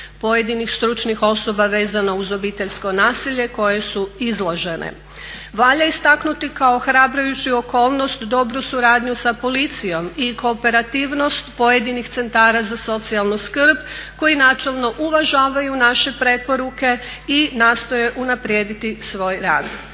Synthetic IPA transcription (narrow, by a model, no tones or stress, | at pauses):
po̞je̞d̪inixst̪ɾut͡ʃnixo̞so̞baʋe̞ːzanouzo̞bit̪e̞ʎsko̞naːsiʎe̞ko̞je̞suizlˠoʒe̞nʔḛ | ʋaʎaist̪aknut̪ikaoxɾaːbɾajut͡ɕio̞ko̞ːlˠno̞st̪d̪o̞bɾusuɾaːd̪ɲusapo̞lit̪sijo̞miko̞ːpe̞ɾat̪iʋno̞st̪po̞je̞d̪inixt̪se̞nt̪aːɾazaso̞t̪sialˠnuskr̩bko̞jinaːt͡ʃe̞lˠno̞ʔuʋaʒaːʋajunaʃe̞pɾe̞po̞ɾuke̞inaːst̪o̞je̞ʔunapɾjeːd̪it̪isʋo̞ːjɾaːd̪